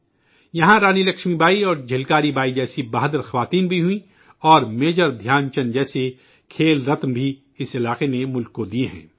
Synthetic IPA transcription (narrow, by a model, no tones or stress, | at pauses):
jɐɦãɾaːnilɐkʃmibaːiɔːɾd͡ʒʱɪlkaːɾibaːid͡ʒɛːsibaːɦd̪əɾxɐʋaːt̪iːnbʱiɦʊĩ | ɔːɾmeːd͡ʒəɾd̪ʱjaːnt͡ʃɐnd͡ʒɛːse | kʰeːlɾɐt̪mbʱi | ɪsɪlaːqenemʊlkːod̪ieɦɛ̰̃ː